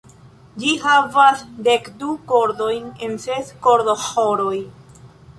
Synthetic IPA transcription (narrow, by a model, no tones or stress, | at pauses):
d͡ʒiɦavasdekduko̞ɾdo̞jne̞nsesko̞ɾdoxoɾo̞j